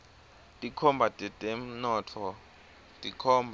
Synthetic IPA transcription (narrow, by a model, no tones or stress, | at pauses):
tʼikʰɔmbʱatʼɛtʼɛm̩nɔːtʰɔ | tʼikʰɔːmbʱ